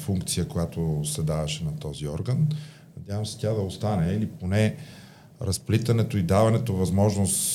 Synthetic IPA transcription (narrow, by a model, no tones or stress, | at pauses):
fuŋkt̪sijəkojat̪osɛd̪avɐʃɛnɐt̪ɔziɔɾɡən | nɐd̪ʲjavəmsɛ̥t̪ʲad̪ɐost̪anɛiliponɛ | ɾɐsplit̪ɐnɛt̪oid̪avɐnɛt̪ovɐzmɔʒnost̪